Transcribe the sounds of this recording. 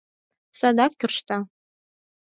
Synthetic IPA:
sadak̚ʷkʲʰɪrʂtʰa

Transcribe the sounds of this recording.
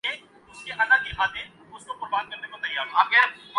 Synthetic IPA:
eːk̚ | ʊskeʔɐlaɡɪmaːt̪ɦɛ̃ | ʊskopʊɾbaːd̪̚kɐɾnekot̪ɐjaːɾɦãːkɛː

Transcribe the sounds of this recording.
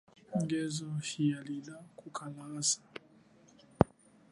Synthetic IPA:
ŋ̩ɡɛzɔhijalilakukʰalasḁ

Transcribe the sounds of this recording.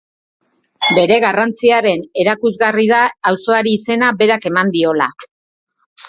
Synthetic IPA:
be̞ɾe̞ɣarant͡siaɾe̞ne̞ɾakuzɣariðaːwso̞aɾiːse̞nabe̞ɾake̞mand̪io̞la

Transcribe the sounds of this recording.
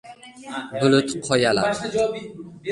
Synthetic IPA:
bʊlʊt̪qʰɒjala̰

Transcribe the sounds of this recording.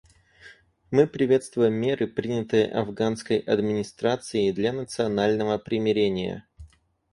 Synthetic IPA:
mɨpɾʲɪvʲe̞t̪st̪vʊjɪmːʲe̞ɾʔɨpɾʲinʲɪt̪ɨjə̰ʔɐvɡanskəjʔɐd̪mʲɪnʲɪst̪ɾat̪sɨɪd̪lʲanət̪sɨɐnalʲnəvəpɾʲɪmʲɪɾʲenʲɪjə̰

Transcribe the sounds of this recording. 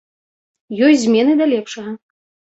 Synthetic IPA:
jɔjzʲmʲɛnɨd̪ɐlʲɛpʂɐɣɐ

